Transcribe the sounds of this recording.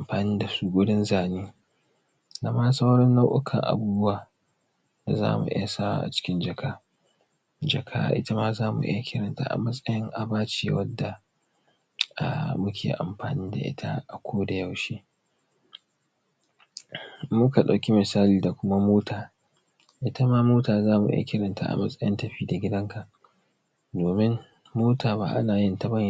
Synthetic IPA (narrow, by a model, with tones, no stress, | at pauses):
ʔa˨mɸaː˨niː˦da˨su˦ɡʷʊ˦ɽɪ˦nzaː˨neː˦ | na˦ma˦sa˦wɽɔ˦nːa˦ʔʊ˦kʰɐ̰˨ŋʔa̰˨buː˦bʊ˦waː˨ | da˨za̰ː˦mṵ˨ʔɪ̰˦ja˨sa˦wa̰˦ʔa̰˨t͡ʃɪ̥˦kʲɪ˦nd͡ʒɐ˨kʰaː˦ | d͡ʒɐ˨kʰa̰ː˦ʔɪ˦ta˦ma˦zaː˦mṵ˨ʔɪ̰˦ja˨kʲʰɪ˦ɾɐ˨nta̰˦ʔa̰˨mɐ˦sʼɐ˦jɐ˦ŋʔa˨baː˦t͡ʃeː˨wɐ˦dːa˨ | a̰˨mʊ˦kʲʰḛː˨ʔa̰˨mɸaː˨niː˦da̰˨ʔɪ̰˦tʰa̰˦ʔa˨kʷʰoː˦da˨ja˦wʃiː˦ | mʊ˦ka˨ɗa˨wkʲi˦mɪ˨saː˦liː˨da˨kʷʊ˦ma˦moː˦tʰaː˨ | ʔɪ˦ta˦maː˦moː˦taː˨zaː˦mṵ˨ʔɪ̰˦ja˨kʲɪ˦ɾɐ˨nta̰˦ʔa̰˨mɐ˦sʼɐ˦jɪ˦ntɐ˨ɸiː˦da˨ɡʲɪ˦dɐ˦ŋka˨ʔ | doː˨mɪ˦ŋ | moː˦taː˨ba̰˦˨ʔa̰˦naː˨jɪ˦nta˨bɐ˦˨